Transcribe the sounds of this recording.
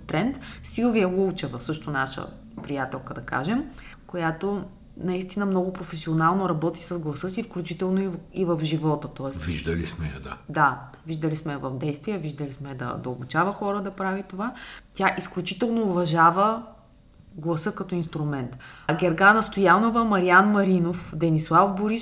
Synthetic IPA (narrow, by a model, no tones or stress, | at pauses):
t̪ɾɛnt̪silˠviəɡult͡ʃɛvəsɤʃt̪onaʃə̰ | pɾijat̪ɛlˠkəd̪ɐka̰ʒɛm | kojat̪o | nɐist̪inəmnɔɡʊpɾofɛsionalˠnoɾɐbɔt̪i̥səzɡlˠɐsɤsifklʲut͡ʃit̪ɛlˠnoiivɐfʒivɔt̪ət̪ɔɛsviʒd̪əlismɛɐ̰d̪a̰d̪a | viʒd̪əlismɛvɐvd̪ɛjst̪viɛviʒd̪əlismɛd̪ɐ̰d̪ɐobut͡ʃavəxɔɾəd̪ɐpɾavit̪ovat̪ʲjaʔisklʲut͡ʃit̪ɛlˠnoːvɐʒavə | ɡlˠɐsɤkɐt̪ɔinst̪ɾumɛnt̪ɡʲɛɾɡanɐst̪ojanovəmɐɾianmɐɾinofd̪ɛnislˠafboɾis